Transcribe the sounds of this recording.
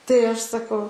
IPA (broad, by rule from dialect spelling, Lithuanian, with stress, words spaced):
tɐɪ ˈɐʃ sɐˈkɐʊ